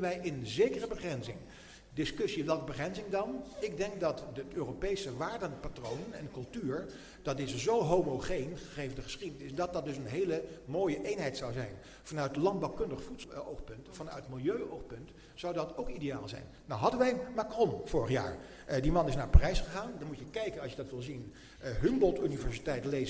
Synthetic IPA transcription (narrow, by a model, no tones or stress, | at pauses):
ənʋɛjʔɪnənzejkərəbəχrɛnzɪŋ | dɪskʏsiʋɛlˠkəbəχrɛnzɪŋdɑnɪɡ̚dɛŋk̚dɑtətøːropejsəʋaːɹdənpatrownənɛ̰nkɵlˠtyːɹ | d̥ɑtɪsəzowɦomoχejnχəχejvəndəχə̥sχidənɪsdɑt̚dɑt̚dɵsənɦejləmoːjəʔejnɦɛjtsɑwzɛ̰jn | vɑnœɥt̚əlɑnd̚bɑwkɵndəχəfutsowχpɵntfɑnœ̰ɥtmɪlˠjøɥowχpɵnt | zɑwdɑtowkideja̰ːlˠzɛ̰jnːawɦɑdənʋɛjmakrɔnv̥ʊːɹəχja̰ːɹ | dimɑnɪsnaːɹparɛjsχəχaːndɑnmutjəkɛjkənɑsjədɑtʋɪlˠzin | ɦɵmbɔlˠtynivɛɹsitɛjtlej